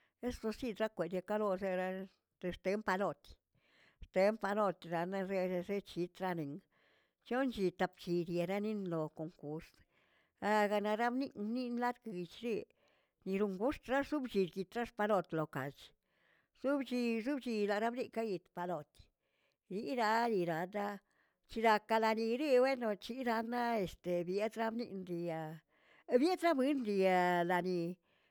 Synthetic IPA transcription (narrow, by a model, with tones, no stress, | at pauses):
e˦slo˧si˦˧d̪ɾa˦kʷe˨d̪ja˧ka˦lo˧se˦ɾa˦ | t̪e˧st̪e˨˦mpa˧lo˧t̪ | st̪e˨˦mpa˧lo˧t̪ɾa˧na˧ze˧se˦t͡ʃi˨˧t̪ɾa˧ni˨ŋ | t͡ʃo˦nt͡ʃi˧t̪a˧pt͡ʃi˧d̪je˨˧ɾa˦ni˦nlo˨ko˨ŋku˨ɾs | a˧ɡa˧na˧ɾa˦bni˦˧ni˦nla˦d̪ɡi˧t͡ʃɾi˦ | ni˧ɾu˧ŋɡu˦st̪ɾa˦su˦bt͡ʃi˧ɾɡi˧t̪ɾa˦ʂpa˧lo˧t̪lo˨ka̰˨t͡ʃ | su˦bt͡ʃi˧zu˦bt͡ʃi˧la˨ɾa˦bni˦˧ka˦ji˧t̪pa˨lo˨t̪ | ɾi˦ɾa˧li˧ɾa˨d̪a˦ | t͡ʃi˧ɾa˧ka˧la˧ni˧ɾi˦bwe˦no˧t͡ʃi˦ɾa˧na˦e˨st̪e˨bje˦d̪ɾa˦bnḭ˦nɾi˧ja˧ | bje˦d̪ɾa˦bi˦nɾi˧a˧la˨ni˧